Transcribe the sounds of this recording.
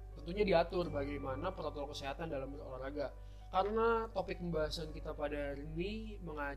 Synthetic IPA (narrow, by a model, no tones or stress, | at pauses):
t̪ənt̪uɲadiat̪ʊrbaɡajmanapəɾat̪ɔlkəseɦat̪andalamoɾaŋraɡa | kaɾənat̪opɪk̚məmbaɦasankit̪apadarəmi | məŋa